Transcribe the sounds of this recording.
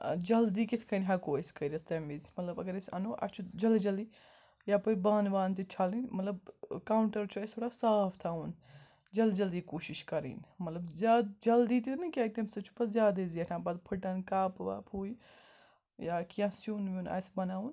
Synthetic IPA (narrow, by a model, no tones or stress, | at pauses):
d͡ʒɐld̪iːkɪt̪ʰkʰɐnɦɐkoːisʲkɐiɾɐsʰt̪ɐ̃mizmɐt̪lɐbɐɡɐɾisʲɐ̰noːʔɐ̰t͡ʃʰud͡ʒɐld͡ʒɐld̪i | japɐibaːnʋaːnt̪it͡ʃʰalinmɐt̪lɐbkaːuɳʈɐɾt͡ʃʰuɐst̪ʰoːɽasaːft̪ʰaːun | d͡ʒɐld͡ʒɐld̪iːkoːʃiʃkɐɾḭːnmɐt̪lɐbzjaːd̪d͡ʒɐld̪it̪inɨkʲaːt̪ɐmsɐt͡ʃʰu̥pɐzʲjaːd̪ɐziɐʈʰãːbɐd̪pʰəʈɐnkaːpʋa̰ːpʰuːi | jaːkijãːsjuːnʋuna̰ːsbɐnaːun